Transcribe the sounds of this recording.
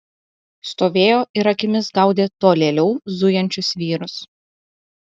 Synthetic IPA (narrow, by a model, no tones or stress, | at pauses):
st̪oːʋʲeːjoːʔɪɾɐkʲɪmʲɪsɡɐˑʊd̪ʲeːt̪oːlʲeːlʲɛʊzʊjɛnʲt͡ʃʲʊsʋʲiːɾʊs